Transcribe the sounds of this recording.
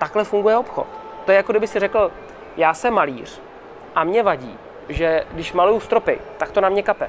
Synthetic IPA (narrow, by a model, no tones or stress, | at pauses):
t̪aklɛfuŋɡujɛo̞pxo̰t̪ | t̪ːojɛjakodɪbɪxsɪrɛkl̩ | jaːsɛmːaliːr̝̥ | ʔamɲɛvaɟḭː | ʒɛɡdɪʃmalujust̪ɾo̞pɪ̰t̪ak̚t̪o̞namɲɛkapɛ